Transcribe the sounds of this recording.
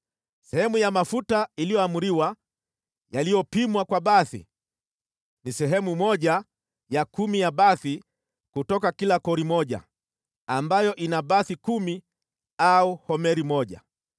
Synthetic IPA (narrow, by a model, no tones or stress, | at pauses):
sɛhɛmujamafutailijɔamuɾiwa | jalijɔpimwakwaɓaθḭ | nisɛɦɛmumɔʄa | jakumijaɓaθi | kutɔkakilakɔɾimɔʄa̰ː | mbajɔʔinaɓaθikumi | auhɔmɛɾimɔʄa̰